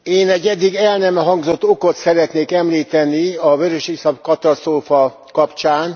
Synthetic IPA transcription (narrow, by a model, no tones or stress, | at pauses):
eːnɛɟːɛd̪ːiɡɛlnɛmɛɦɒŋɡzo̞t̪ːo̞ko̞t̪sɛɾɛt̪neːkɛmliːt̪ɛniɒvøɾøʃisɒpkɒt̪ɒst̪roːfɒ | kɒpt͡ʃaːn